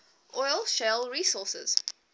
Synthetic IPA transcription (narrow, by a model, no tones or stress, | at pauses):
ʔɔjlˠʃɛlˠɹiːsɔˑsɪ̰z̥